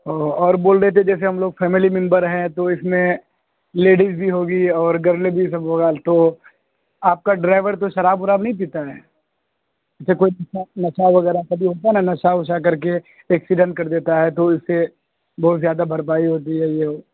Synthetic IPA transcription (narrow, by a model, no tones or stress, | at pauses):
oːɔːɾboːlɾɛɦt̪eɛ̃d͡ʒɛːs̬eɦɐmloːɡ̚fʰɛːmɪlimɪ̃mbəɾɦɛ̃t̪oɪsmẽ | leːɖizbʱiɦoːɡiɔːɾɡɐɾlebʱis̬ɐbʋɐɡaːlt̪o | aːp̚kaɖɾaːɪʋəɾt̪oʃɐɾaːbʊɾaːbnɐɦĩd̪iːt̪aɦɛː | ɪsekoːinɐʃanɐʃaʋɐɡɛːɾakɐbʱiɦoːt̪aɦɛnanɐʃaʊʃakɐɾk̬e | ɛːksiɖə̃ɳʈ̚kɐɾd̪eːt̪aɦɛt̪oɪsːe | bɔːt̪zjaːd̪abʱɐɾp̬aːiɦoːt̪̬iɦɛjeɦoː